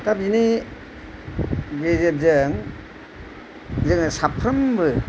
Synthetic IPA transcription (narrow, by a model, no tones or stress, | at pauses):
tabini | ɡezetzɯŋ | zɯŋsapʰɾɐmbɯ